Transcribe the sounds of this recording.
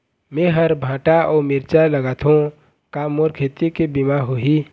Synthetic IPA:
mẽɦəɾbʱãːʈaɔːmɪɾt͡ʃaləɡaːt̪ɦũ | kamoːɾkʰeːt̪ikebimaɦoɦi

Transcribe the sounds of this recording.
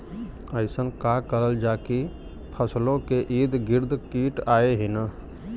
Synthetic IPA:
əɪsənkakəɾəld͡ʒaki | pʰəslõkeʔid̪ɡɪɾd̪kiʈaeɦin

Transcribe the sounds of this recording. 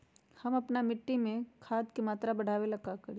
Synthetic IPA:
hɐmɐpnamɪʈːimẽkʰaːd̪kemaːt̪ɾabɐɽ̤ʱaːʋelɐkakɐɾi

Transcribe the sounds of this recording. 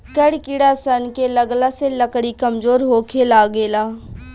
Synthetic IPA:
kəɽkɪɽasənkeləɡlaseləkɽikəmzoːɾɦoːkʰelaːɡeːlaː

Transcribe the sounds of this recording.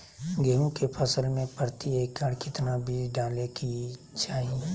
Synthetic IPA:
ɡeːõkepʰəsəlmẽpəɾt̪ieːkːəɽkɪt̪nabʱiɖaːleki | t͡ʃaːɦie

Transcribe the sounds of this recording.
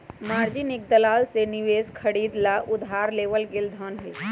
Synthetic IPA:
maːɾd͡ʒɪnek̚d̪ɐlaːlsenɪʋeːzkʰɐɽiːd̪laʔʊd̪ʱaːɾleːʋəlɡɪld̪ʱəːnɦɛ

